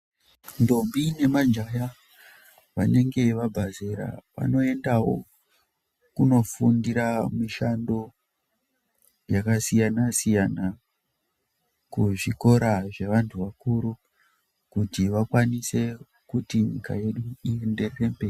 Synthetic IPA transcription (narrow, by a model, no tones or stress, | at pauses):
ndo̞mbine̞mad͡ʒaja | ʋaneŋɡe̞ʋabʱazeɾa̰ʋa̰no̞e̞ndawo̞ | kuno̞fundiɾamiʃando̞ | jakasijanasijana | kuʐiko̞ɾaʐe̞ʋantʰuʋakuɾu | kutiʋakwanise̞ | kutiɲḭka̰je̞ɗuiende̞re̞ːmbe